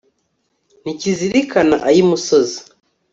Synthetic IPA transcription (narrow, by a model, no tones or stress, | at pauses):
niciziɾikanaʔajimusozi